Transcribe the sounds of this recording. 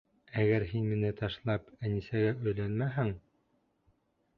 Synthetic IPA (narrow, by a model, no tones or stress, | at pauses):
æɡæɾɦinmĭnɘt̪ɑʃlˠɑpænisæɡæʔɵ̆jlænmæɦɘŋ